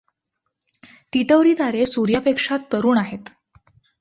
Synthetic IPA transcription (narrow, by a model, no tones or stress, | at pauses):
ʈ̪iʈəʋɾiːt̪aɾesuɾjapekʂat̪ːəɾuːnaɦet̪